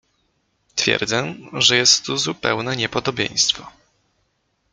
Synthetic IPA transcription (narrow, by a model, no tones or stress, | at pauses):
t̪fʲjɛ̰ɾd̪zɛʐɛjɛst̪ːuzupɛ̰wnɛɲɛpɔd̪ɔbʲjḛ̃j̃st̪fɔ